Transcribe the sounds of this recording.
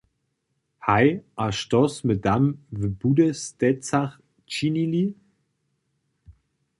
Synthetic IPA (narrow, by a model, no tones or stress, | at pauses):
hajʔaʃtɔsməd̪amvəb̥udəstɛt͡saχ | t͡ʃinili